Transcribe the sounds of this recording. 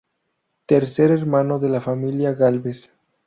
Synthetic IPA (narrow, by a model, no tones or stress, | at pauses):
t̪eɾseɾeɾmano̞ðelafamiljaɣalβes